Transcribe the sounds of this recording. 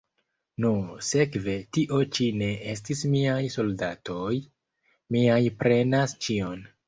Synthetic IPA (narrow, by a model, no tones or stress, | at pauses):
nuse̞kve̞tiʔo̞t͡ʃine̞ʔestismiajso̞ldatʰo̞j | miajpɾe̞nast͡ʃio̞n